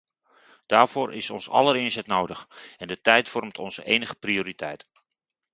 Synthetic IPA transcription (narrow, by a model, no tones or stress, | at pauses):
d̥aːɹv̥oːɹʔɪ̰sɔ̰nsɑ̰ləɾɪnzɛtnowdəχɛndətɛjtfɔrmtʰɔ̰nzəʔejnəχəprioːɾitɛ̰jt